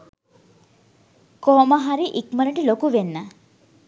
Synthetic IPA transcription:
kɔmaɦaɾiʔikməɾeɳʈilokuʋenːa

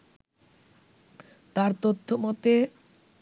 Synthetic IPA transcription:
t̪aɾt̪ot̪ʰːomɔt̪e

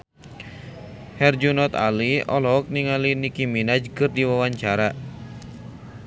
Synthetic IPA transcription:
hɛrd͡ʒunɔt̪a̰liɔlɔk̚niŋalinikiminad͡ʒkɨrdiwawaɲt͡ʃaɾa

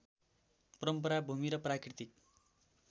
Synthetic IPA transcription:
pʌɾʌmpʌɾabʱumiɾʌprakrit̪ik̚

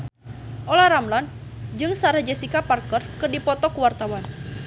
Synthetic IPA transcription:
ʔɔlaɾamlan | d͡ʒɨŋsaɾad͡ʒɛsikaparkərkɨrdipɔt̪ɔkuwart̪awan

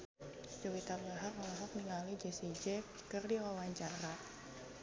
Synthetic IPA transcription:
d͡ʒowit̪alaɦakmalɔɦɔk̚niŋalid͡ʒesid͡ʒɛpi̥kərdiwawaɲt͡ʃaɾa

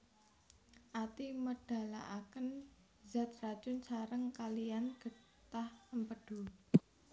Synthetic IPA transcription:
ʔat̪iməɖ̥a̤la̰ʔakən | za̤t̪̚rad̥ʒ̥ʊnsaɾəŋkalijanɡ̥ə̤ | t̪ahəmpəɖ̥ṳ

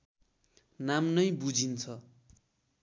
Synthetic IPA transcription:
namnʌjbud͡zint͡sʰʌ

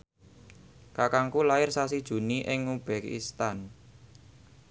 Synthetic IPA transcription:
kakaŋkulaɪrsas̬id̥ʒ̥ṳniʔɪŋub̥ɛkḭst̪an

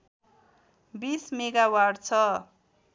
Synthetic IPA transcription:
bismeɡawaɖt͡sʰʌ

